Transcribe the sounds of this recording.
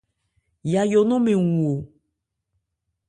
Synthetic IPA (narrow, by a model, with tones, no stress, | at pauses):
ja˨jɔ˨nɔ̃˦mẽ˨ŋũ˨o˨